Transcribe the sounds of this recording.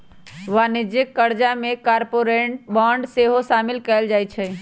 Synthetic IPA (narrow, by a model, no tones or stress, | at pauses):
ʋanid͡ʒəkːəɾd͡ʒamekaɾpoɾeɳʈ̚bãɳɖseɦosamilkɛɪld͡ʒajt͡ʃʰɛ